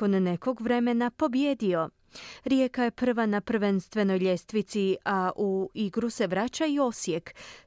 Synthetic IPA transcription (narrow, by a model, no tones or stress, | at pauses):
o̞nːeko̞ɡʋɾe̞me̞napo̞bje̞d̪io̞ | ɾje̞kaje̞pr̩ʋanapr̩ʋenst̪ʋe̞no̞jʎʲe̞st̪ʋit̪siaʔuiɡɾuse̞ʋɾaːt͡ɕaio̞sje̞k